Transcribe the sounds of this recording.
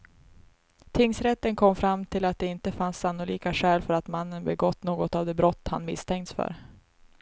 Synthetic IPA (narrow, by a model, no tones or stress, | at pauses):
t̪ʰɪŋsɾɛt̪ːənkʰɔmːfɾamːt̪ʰɪlat̪̚d̪ɛɪnt̪əfansːanːʊliːkaɧɛːlfœɾat̪manːənbɛɡɔt̪ːnoːɡɔt̪avd̪ɛbɾɔt̪ːha̰nmɪst̪ʰɛŋt̪sfœ̰ɾ